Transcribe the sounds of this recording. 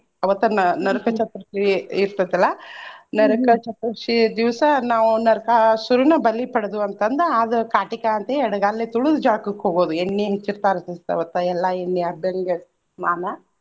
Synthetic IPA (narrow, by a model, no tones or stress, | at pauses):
ɐʋɐt̪ːɐnɐnɐɾukɐt͡ʃɐt̪ɾɐʃiiɾt̪ɐd̪ɐlːɐnɐɾɐkɐt͡ʃɐt̪ːɾɐʂid̪iʋsɐnaːʋunɐɾɐkɐsuɾunɐbɐlːipɐɽɐd̪uɐnt̪ɐnd̪ɐaːd̪ɐkaːʈikaɐnt̪eɛɽɐɡaːlːet̪uɭud̪ud͡ʒaːkukɦoːɡoːd̪uenːiɦet͡ʃːiɾt̪aːɾɐsist̪ɐ̰ʋɐt̪ːɐɛlːɐenːiɐbjɐŋɡe | naːnɐ